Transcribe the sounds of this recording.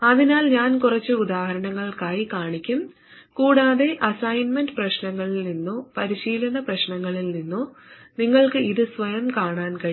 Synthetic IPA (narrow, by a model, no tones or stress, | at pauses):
ɐðinaːlɲaːnkurɐt͡ɕːɨud̪aːhɐɾɐɳɐŋːɐɭkaːjikaːɳikʲːum | kuːɽaːðe̞ʔɐsɐjnmendɨprɐɕnɐŋːɐɭilninːopɐɾiɕiːlɐnɐprɐɕnɐŋːɐɭilninːo | niŋːɐɭkɨiðɨsʋɐjɐmkaːɳaːnkɐ